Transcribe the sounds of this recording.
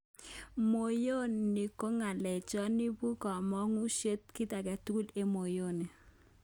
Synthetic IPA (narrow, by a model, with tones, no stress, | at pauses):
mo˨jo˦nːi˨ko˦ŋa˨lɛ˨t͡ʃɔ˦ni˦bu˦kɔ˨mɔ˦ŋu˦ʃje˦t̚ki˦ta˨kɛ˨tu˦ku˦le˦mo˨jo˦˨ne˨